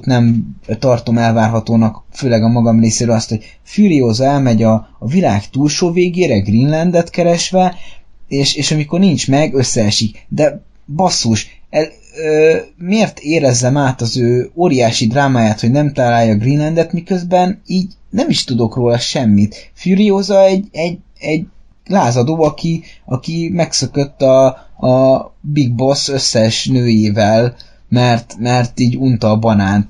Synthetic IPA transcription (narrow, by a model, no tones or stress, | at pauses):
t̪nɛmt̪ɒrt̪o̞mɛlvaːrɦɒt̪oːnɒkføːlɛɡɒmɒɡɒmreːseːɾøːlɒst̪ho̞ɟ̥̚ | fyɾioːzɛlmɛɟɒːvilaːkt̪uːlʃoːveːɡeːɾɛɡrinlɛnd̪ɛt̪kɛɾɛʃʋɛeːʃeːʃɒmiko̞rnint͡ʃmɛɡøsːɛɛʃikd̪ɛ | bɒsːuːʃɛ | ømeːrt̪eːɾɛzːɛmaːt̪ɒzøːoːɾijaːʃid̪raːmaːjaːt̪ho̞ɟnɛmt̪aːlaːjːɒɡrinlɛnd̪ɛt̪mikø̞zbɛniːɟnɛmiʃt̪ud̪o̞kroːlɒʃɛmːit̪fyːɾijoːzɒɛɟɛɟ | ɛɟ | laːzɒd̪oːɒkiɒkimɛksøkø̞t̪ːɒ | biɡ̚bo̞sø̞sːɛʃnøːjeːvɛl | mɛrt̪mɛrt̪iːɟunt̪ɒːbɒnaːnt̪